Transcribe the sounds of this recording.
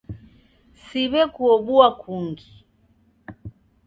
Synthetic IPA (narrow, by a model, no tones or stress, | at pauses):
siβɛkuɔɓuakʰuŋɡi